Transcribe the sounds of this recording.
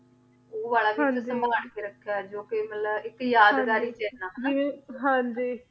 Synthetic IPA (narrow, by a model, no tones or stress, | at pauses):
oːbaːlaːʋ̃əsəmaɡaɳkeːɾəkʰːaːd͡ʒoːkemət̪ləɪkːjaːd̪ɡaːɾiːt͡ʃeːnːãːiɦãd͡ʒiː